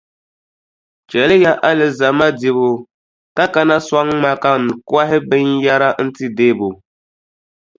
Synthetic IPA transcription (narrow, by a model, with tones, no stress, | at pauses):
t͡ʃɛ˨lɪ˦ja˦ʔa˦lɨ˨za˨ma˦di˨βʊ˨ | ka˦ka˦na˦swa˦ŋ˦ma˦ka˦ŋ˨ka˦ɦɪ˦bɨ˦nja˦ɾa˦n̩˦ti˦deː˦˨bu˨